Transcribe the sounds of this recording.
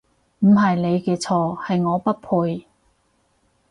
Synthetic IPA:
m̩˨˩ɦɐ˨jne˨˧jkɛː˧t͡sʰɔː˧hɐ˨jŋɔː˨˧pɐ˥t̚pʰu˧j

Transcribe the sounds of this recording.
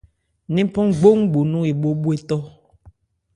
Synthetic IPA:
nĩ˦pɔ˦ŋɡ͡bo˦ŋɡ͡bo˨nũ˦e˨ɓo˦ɓu˦e˨tɔ˦

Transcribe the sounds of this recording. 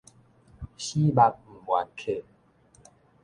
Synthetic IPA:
ɕi˦ba˧k̚m̩˨˩wa̰˨˦nkʰe˥˨

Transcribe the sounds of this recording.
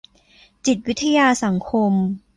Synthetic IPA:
t͡ɕi˨˩t̪̚wi˦˥t̪ʰːa˧jaː˧sa˩˦ŋkʰo˧m

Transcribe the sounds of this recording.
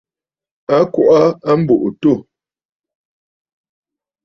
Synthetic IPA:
a˦kwo˦ʔa˦a˦m̩˦bo˨ʔo˨to˦˨

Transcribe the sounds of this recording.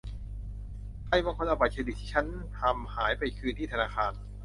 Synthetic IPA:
t̪a˧˥˩jmɔː˧˨ŋkʰo˧˥nʔa˧˩baː˨˩t̪̚t͡ɕʰa˧di˨˩t̪ʰːiː˥˩a˦˥n | t̪ʰa˧mhaː˩˦jpa˧jkʰɯː˧nt̪ʰiː˥˩t̪ʰa˧naː˧xʰaː˧n

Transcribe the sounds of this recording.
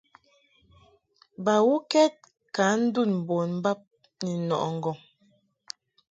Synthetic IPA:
ba˨wu˦kɛ˦t̚ | ka˨˦n̩˦du˦˨nm̩˨bo˨nm̩˦ba˦p̚ | ni˨nɔ̰˨ʔŋ̩˨ɡɔ˨ŋ

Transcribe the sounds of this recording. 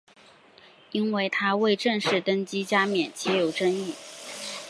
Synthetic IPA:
i˥nwe˥˩ɪt̪ʰa˥we˥˧ɪʈ͡ʂə˥˧ŋʂɻ̩˥˩t̪ə˥nt͡ɕi˥t͡ɕja˥mjɛ˨˩nt͡ɕʰɛ˧˥jo˨˩ʊʈ͡ʂə˥ŋi˥˩

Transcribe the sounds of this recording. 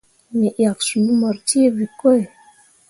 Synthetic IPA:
ne˨ʔja˨ksu˨˦mɔ˨ɾti˦e˦vi˨ko˦e˨

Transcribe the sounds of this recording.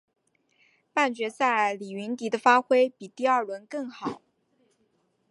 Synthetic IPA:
pa˥˩nt͡ɕɥɛ˧˥t͡sa˥˩ɪli˨˩y˧˥nt̪i˧˥d̪ə˧fa˥xwe˥ɪpi˨˩t̪i˥˧ɐ˥˩wə˧˥nkɤ˥˩ŋxɑ˨˩˦ʊ

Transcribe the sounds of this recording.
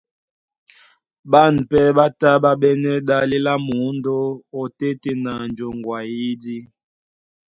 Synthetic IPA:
ɓa˦˨n̩˨pɛ˦ɓa˦ta˦ɓa˦ɓɛ˦nɛ˦ɗa˦li˦la˦mu˨˦ndo˦o˨te˦te˦na˨n˨d͡ʒo˨ŋ˨ɡwa˨ji˦di˦

